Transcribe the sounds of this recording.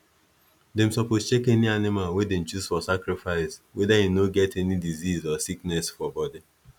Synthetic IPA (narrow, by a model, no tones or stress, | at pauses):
dẽm̩sɔpost͡ʃekɛnianɪmalwedem̩t͡ʃuzfɔsakɾifaɪswedajinoɡɛtɛnidizizɔsiknɛsfɔbɔdi